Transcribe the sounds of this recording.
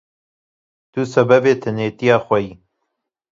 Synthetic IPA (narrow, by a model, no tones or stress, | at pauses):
t̪uːsɐbɐbeːt̪ʰɨneːt̪ijaːxʷɛjiː